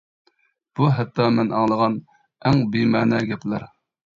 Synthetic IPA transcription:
b̥uɦɛt̪ʰːɑmɛnɑŋlˠəʁɑn | æŋbimæːnɛɡʲɛplæɾ

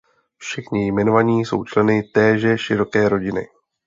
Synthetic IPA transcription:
fʃɛxɲɪjmɛno̞vaɲiːso̞̰wt͡ʃlɛnɪt̪ɛːʒɛʃɪɾo̞kɛːɾo̞ɟɪnɪ̰

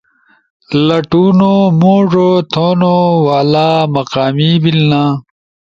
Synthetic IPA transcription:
lɐʈuːnomoːʐot̪ʰonowaːlaːmɐqaːmiːbilnãː

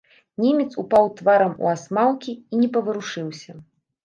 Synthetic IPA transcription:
nʲimʲɛt̪supawt̪vaɾɐmṵasmawkʲiːnʲɛpɐvɐɾuʂɨwsʲɐ

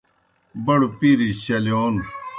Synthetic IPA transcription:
bɐɽupiɾiɕɐljoːn

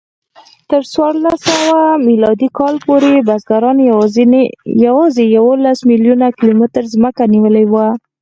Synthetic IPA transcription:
t̪əɾswɑɾlasawamilɑd̪ikɑlpoɾebazɡaɾɑn | jawɑzejawolasmiljunakɪlomɪt̪əɾzməkaniwəlawa

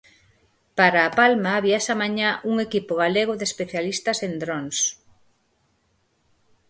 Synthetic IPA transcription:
paɾaːpalmaːβiɛsamaɲaʔuŋekipʊɣaleɣoðespeθjalist̪ɐsend̪ɾons

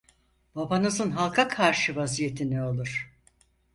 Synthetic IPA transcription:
b̥abanɯzɯnɦalˠkʰakʰaɾʃɯvazije̞t̪ʰinɛo̞lˠuɾ̥

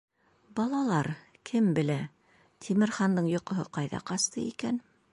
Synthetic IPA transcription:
bɑlˠɑlˠɑɾ | kʰɘmbɘ̆læ | t̪ʲʰimɘ̆ɾχɑnd̪ɤɴjŏqŏɦɤqɑjðɑ̰qɑst̪ɤikæn

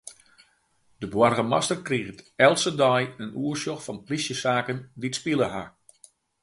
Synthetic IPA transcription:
dəbwɔrɣəmastərkriɣətɛlˠsədɔjənuːərsjoxfɑnplisjəsaːkənditspilˠəha

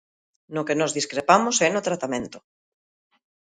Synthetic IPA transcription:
nokenɔzðiskɾepamosɛnot̪ɾat̪amẽnt̪o̥

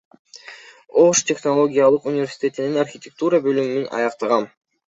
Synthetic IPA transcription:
o̞ʂt̪ʲe̞xno̞lˠo̞ɡʲijalˠɯqunʲɪvʲe̞rʲsʲi̥t̪ʲe̞t̪ininarxʲɪt̪ʲek̚t̪uɾɑbø̞lymynynʔɑ̰jɑqt̪ɑʁɑn

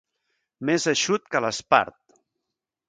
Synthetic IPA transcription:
mezəʃut̪kələspa̰ɾt̪̚

